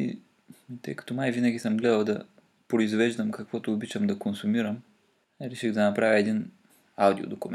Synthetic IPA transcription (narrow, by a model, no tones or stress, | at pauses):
ḭ | t̪ɤ̰jkɐ̥t̪onajvinɐɡʲisəmɡlɛd̪əlˠd̪ɐ | pɾoizvɛʒd̪əmkɐkvɔt̪oːbit͡ʃɐmd̪ɐkonsʊmiɾəm | ɾɛʃiɣd̪ɐnɐpɾavʲjəɛd̪in | awd̪io̰d̪okʊmɛ